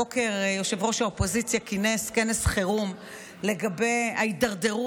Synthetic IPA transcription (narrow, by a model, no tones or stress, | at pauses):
oke̞ʁjo̞ʃevʁo̞ʃhaopo̞zit͡sjakineskenesχeʁum | le̞ɡabe̞jaitd̪aʁd̪e̞ʁu